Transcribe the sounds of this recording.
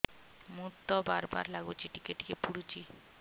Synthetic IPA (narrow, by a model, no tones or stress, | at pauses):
mut̪ːɔbaɾba̰ɾlaɡut͡ɕʰiʈikeʈikepuɽut͡ɕi